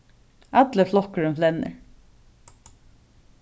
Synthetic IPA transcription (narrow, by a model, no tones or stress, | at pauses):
at̪ləflɔhkəɹɪmflɛnːə̰